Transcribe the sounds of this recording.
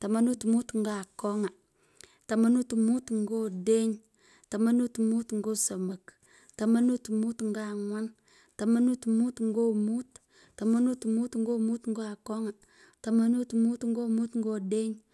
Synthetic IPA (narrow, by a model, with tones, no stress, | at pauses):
ta˨ma˦nu˦tmu˦tŋ˦ɡa˦˨ko˦ŋa˨ | ta˨ma˦nu˦tmu˦tŋ˦ɡo˦de˦ɲ | ta˨ma˦nu˦tmu˦tŋ̩˦ɡo˦sa˨ma˨k | ta˨ma˦nu˦tmu˦tŋ˦ɡa˦˨ŋwa˦ŋ | ta˨ma˦nu˦tmu˦tŋ̩˦ɡo˦mu˦t | ta˨ma˦nu˦tmu˦tŋ˦ɡo˦mu˦t̪ŋ˦ɡo˦a˨ko˦ŋa˨ | ta˨ma˦nu˦tmu˦tŋ̩˦ɡo˦mu˦tŋɡo˦de˦ɲ